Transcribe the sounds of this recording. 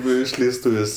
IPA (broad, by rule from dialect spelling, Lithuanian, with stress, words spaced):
ˈnʊ ɪʃʲlʲɛɪsˈtuːʋʲeːsʲ